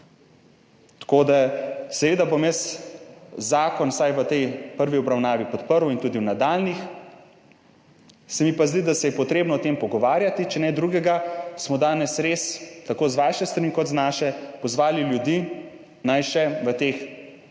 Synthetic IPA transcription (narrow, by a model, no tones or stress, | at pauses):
t̪koːd̪asɛʋeːd̪abomjəs | zaːkɔnsajʋət̪ɛjpəɾʋiɔbɾawnaːʋipɔt̪pəɾwint̪uːd̪iwnad̪aːlnix | sɛmipazd̪id̪asɛjɛpɔt̪ɾeːbnɔɔt̪empɔɡɔʋaːɾjat̪it͡ʃɛnɛd̪ɾuːɡɛɡasmɔd̪aːnɛsɾeːst̪akoːzʋaːʃɛst̪ɾanikɔt̪znaːʃɛpɔzʋaːliljud̪iː | najʃɛʋət̪ex